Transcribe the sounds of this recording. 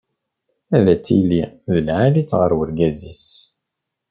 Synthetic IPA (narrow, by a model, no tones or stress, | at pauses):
æðæt͡sːḭlːiðəlʕalit͡sːʁəɾwəɾɡæzis